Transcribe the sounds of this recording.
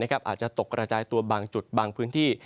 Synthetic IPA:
na˥kʰa˦˥p̚ʔaː˨˩t̪̚t͡ɕa˨˩t̪o˨˩kːɾa˧t͡ɕaː˧jt̪u˧ɐbaː˧ŋt͡ɕu˨˩t̪̚baː˧ŋpʰɯː˦˥nt̪ʰiː˥˩

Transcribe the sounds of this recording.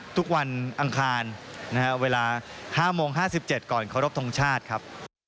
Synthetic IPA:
t̪ʰu˦˥k̚wa˧nʔa˧ŋkʰaː˧nːa˦˥kʰa˦˥weː˧laː˧haː˥˩moː˧ŋɦaː˥˩si˨˩p̚t͡ɕe˨˩t̪̚kɔː˨˩nkʰa˥˩ɾo˦˥p̚t̪ʰo˧ŋt͡ɕʰaː˥˩t̪̚kʰa˦˥p̚

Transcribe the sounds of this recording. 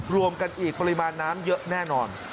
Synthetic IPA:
ɾu˧əmka˧nʔiː˨˩k̚pa˧ɾi˦˥maː˧nːaː˦˥mjɤ˦˥ʔnɛː˥˩nɔː˧n

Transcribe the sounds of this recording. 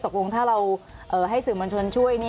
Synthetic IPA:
t̪o˨˩k̚lo˧ŋt̪ʰaː˥˩ɾa˧wʔɤː˨˩ɦa˥˩jsɯː˨˩moː˧nt͡ɕ̪ʰo˧nt͡ɕʰu˥˩əjni˥˩

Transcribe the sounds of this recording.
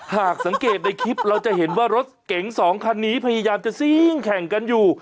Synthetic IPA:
haː˨˩k̚sa˩˦ŋkeː˨˩t̪̚na˧jkʰi˦˥p̚ɾa˧wt͡ɕa˨˩ʔɦe˩˦nwaː˥˩ɾo˦˥t̪̚ke˩˦ŋsɔː˩˦ŋkʰa˧nːiː˦˥pʰa˧jaː˧jaː˧mt͡ɕa˨˩si˥˩ŋkʰɛ˨˩ŋka˧njuː˨˩

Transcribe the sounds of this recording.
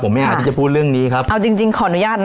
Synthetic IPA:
o˩˦ma˥˩ʔaː˨˩t̪ʰi˥˩a˨˩pʰuː˥˩t̪̚ɾɯ˥˩əŋniː˦˥kʰa˦˥p̚ʔa˧wt͡ɕi˧ŋt͡ɕi˧ŋkʰɔː˩ʔa˧˩u˦˥jaː˥˩t̪̚

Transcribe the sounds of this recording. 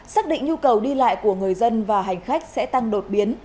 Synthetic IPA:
saː˦˥k̚ɗḭ̈˧˨ŋ̟ɲu˧kə˨˩wɗi˧la̰ː˧˨jku˧˩əŋɨ˨˩əjzə˧nvaː˨˩ɦa˨˩jŋ̟xa˦˥jk̟̚sɛ̰˧˥t̪a˧ŋɗo˨˩t̚ɓi˨˦ən

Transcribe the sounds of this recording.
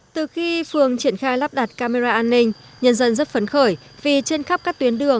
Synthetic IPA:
t̪ɨ˨˩xi˧fɨ˨˩əŋt͡ɕi˧˩ənxaː˧jlaː˦˥p̚ɗaː˨˩t̚kaː˧me˧zaː˧ʔaː˧nːï˧ŋ̟ | ɲə˧nzə˧nzə˦˥t̚fə˨˦nxəː˧˩j | vi˨˩t͡ɕe˧nxa˦˥p̚kaː˦˥k̚t̪wi˨˦ənɗɨ˨˩əŋ

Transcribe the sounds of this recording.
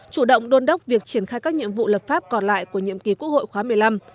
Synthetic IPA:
t͡ɕu˧˩ɗə̰˧˨wŋ͡mɗo˧nɗə˦˥wk͡p̚vi˨˩ək̚t͡ɕi˧˩ənxaː˧jkaː˦˥k̚ɲḭ˧˨əmvṵ˧˨ləː˨˩p̚faː˦˥p̚kɔ˨˩nla̰ː˧˨jku˧˩əɲḭ˧˨əmki˨˩ku˦˥k̚ho̰˧˨jxwaː˨˦mɨ˨˩əjla˧m

